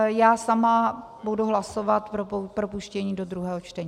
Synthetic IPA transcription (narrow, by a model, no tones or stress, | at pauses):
jaːsama | buduɦlasovat̪pɾpɾopuʃcɛɲiːdo̞d̪ɾuɦɛːɦot͡ʃt̪ɛɲː